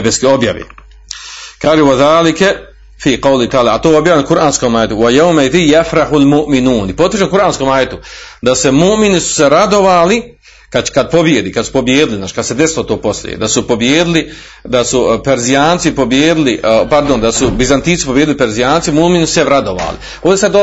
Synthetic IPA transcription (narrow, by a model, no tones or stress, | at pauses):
beskoo̞bja̰ʋḭ | kaːʒewaðaːlikɛ | fiːqɑwlit̪aːlaat̪oːobjaːjʲankuɾʔaːnskomaːjet̪uwajawmaiðijafɾahulmuʔminuːnipo̞t̪rʃenkuɾʔaːnskomaːjet̪ud̪asemuʔminisu̥seɾad̪o̞ʋaːli | kakad̪̚po̞bjed̪iːkad̪su̥po̞bjeːd̪iliznaːt͡ʃkad̪̥sed̪esilot̪o̞ːpo̞sljḭḛd̪asupo̞bjeːd̪ili | d̪asupeɾzijaːnt̪sipo̞bjeːd̪ilipaɾd̪ond̪asubizant̪iːni̥pobjed̪ilipeɾzijaːnt̪imuʔminsu̥seʋɾad̪oʋa̰ːlḭ | oːnd̪esad̪o